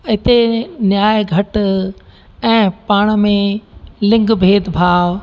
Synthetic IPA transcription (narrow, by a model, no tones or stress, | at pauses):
ɪt̪enjaːjɡʱɐʈ | ɛ̃ːpaːɽ̃mẽlɪ̃ŋɡbʱeːd̪bʱaːʋ